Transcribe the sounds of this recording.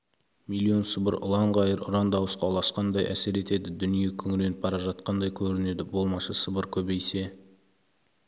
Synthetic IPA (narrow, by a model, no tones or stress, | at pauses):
milʲːio̞nsəbəɾʔʊ̰lˠɑɴʁɑjəɾʊ̰ɾɑnd̪ɑwəsqɑlˠɑsqɑnd̪ɑjʔæ̰se̞ɾe̞t̪e̞d̪ɪd̪ʏnije̞kʲʰɵŋɪle̞nɪp̚bɑɾɑʒɑt̪̚qɑnd̪ɑjkʲʰɵɾɪne̞d̪ɪbo̞lˠmɑʃɑsəbəɾkʲʰɵbejse̞